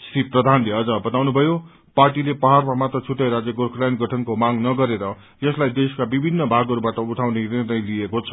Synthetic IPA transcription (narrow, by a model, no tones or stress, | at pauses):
sriprʌd̪ʱanleʌd͡zʌbʌt̪awnubʱʌjo | parʈilepʌɦarmamat̪ʌt͡sʰuʈeɾad͡zjeɡorkʰlajnɡʱʌʈʰʌnkomaɡnʌɡʌɾeɾʌ | jʌslajd̪eskabibʱinːʌbʱaɡʌɾubaʈʌuʈʰawnenenʌjlijekot͡sʰʌ